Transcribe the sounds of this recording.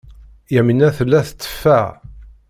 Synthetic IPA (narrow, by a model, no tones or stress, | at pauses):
jæmənːæθəlːæθə̥t͡s̪ːə̥fːæ